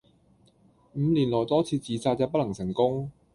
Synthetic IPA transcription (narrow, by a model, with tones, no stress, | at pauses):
m̩˨˧liː˨˩nlɔː˨˩jt̪ɔː˥t͡sʰiː˧t͡siː˨˧t͡saː˧t̚jɐ˨˧wpɐ˥lɐ˨˩ŋsɪ˨˩ŋkʊ˥ŋ